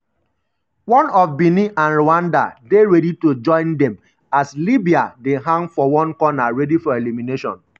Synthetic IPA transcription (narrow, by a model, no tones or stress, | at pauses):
wɔ̃nɔfbiniʔãnɹoãnda̰deɹɛditod͡ʒɔ̃ɪ̃ndɛ̃m | aslibiadeɦãŋfɔwɔ̃nkɔnaɹɛdifɔelimineʃɔ̰̃n